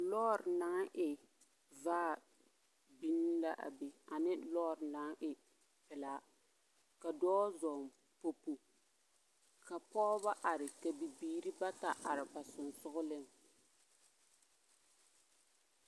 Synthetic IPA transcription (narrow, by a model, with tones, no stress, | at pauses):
lɔː˦˨ɾna˦ŋʔɪ˨ | vaː˦˨ | bi˦nːi˦la˦ʔa̰˨be˨a˨nɪ˦lɔː˦ɾna˦ŋʔɪ˨ | pɛ˨la˨ | ka˨dɔː˦zɔ˨m | po˦pu˨ | ka˨pɔː˦ba˦ʔa˨ɾɪ˨ka˨bi˨biː˨ɾi˦ba˦ta˨ʔa˨ɾɪ˨ba˨sʊ˨nsʊ˦ɣʊ˦lɪ˦ŋ